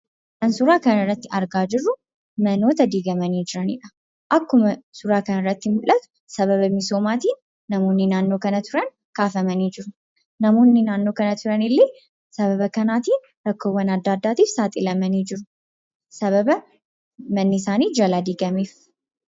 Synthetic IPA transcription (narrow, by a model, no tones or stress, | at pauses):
kɐnsʊɾaːkɐnɐrːɐt̪ːɪɐɾɡaːd͡ʒɪrːʊ | mɐno̞ːt̪ɐd̪iːɡɐmɐniːd͡ʒɪɾɐnɪ̰ᶑɐ̥ | ʔɐkːʊmɐsʊɾaːkɐnɐrːɐt̪ːɪmʊlʔɐt̪ʊ̥ | sɐβɐβɐmɪso̞ːmaːt̪iːnː | ɐmoːnːɪnaːnːo̞ːkɐnɐt̪ʊɾɐn | kaːfɐmɐniːd͡ʒɪɾʊ | nɐmo̞ːnːɪnaːnːo̞ːkɐnɐt̪ʊɾɐnɪlːeː | sɐβɐβɐkɐnaːt̪iːn | ɾɐkːoːwːɐnɐd̪ːaːd̪ːaːt̪iːfsaːt̪ʼɪlɐmɐniːd͡ʒɪɾʊ | sɐβɐbɐ | mɐnːɪsaːniːd͡ʒɐlaːd̪iːɡɐmeːf